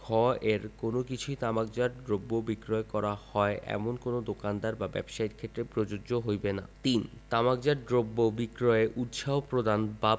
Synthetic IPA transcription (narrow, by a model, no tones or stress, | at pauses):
kʰɔeɾkonokit͡ɕʰujt̪amaɡ̚d͡ʑaɾd̪ɾobːobikɾɔekɔɾahɔeʔɛ̰monkonod̪okand̪aɾbabɛ̰bʃajʈkʰet̪ːɾepɾod͡ʑooɦojbenat̪int̪amaɡ̚d͡ʑaɾd̪ɾobːobikɾɔeʔut̪ʃaɦopɾod̪anba